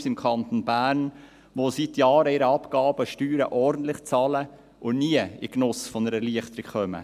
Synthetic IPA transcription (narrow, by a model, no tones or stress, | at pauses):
sɪmkʰɑnt̪onbæːɾn | ʋosit̪jɑːɾəɪɾəɑpɡ̥ɑːbəʃtyːɾəʔɔɾdn̩t̪lɪχt͡sɑːlə | ʔʊniːəɪknʊsfɔnəɾɛɾliəχt̪əɾɪkχœmə̰